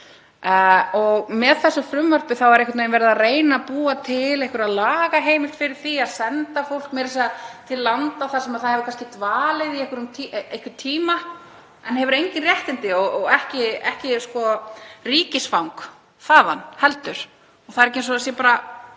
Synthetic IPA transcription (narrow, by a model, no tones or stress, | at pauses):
ɔɣmɛðθɛsːʏfɾʏmvœr̥pɪθawɛɾejkwat̪nejnvɛɾɪðareːjnapuːat̪ʰɪlehkʏɾaðlaːɣaɦeːjmɪ̥t̪fɪɾɪɾ̥θiaðsɛnt̪afowl̥kmɛðɾɛsat̪ʰɪlːant̪aθasɛmaðθaðhɛvʏɾkanscɪt̪vaːlɪðiehkʏɾʏmt̪ʰejhkɪt̪ʰiːma | ɛnhɛvʏɾejɲcɪnrjɛht̪ɪnt̪ɪɔɣɔɣɛhcɪɛhcɪskɔriːcɪsfawŋk | θaːðanhɛlt̪ʏɾ̥ | ɔθaðɾɛhc̬ːɪens̬ɔas̬jɛpaːɾa